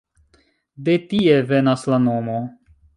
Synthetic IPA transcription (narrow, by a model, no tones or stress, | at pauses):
de̞tievenaslanomo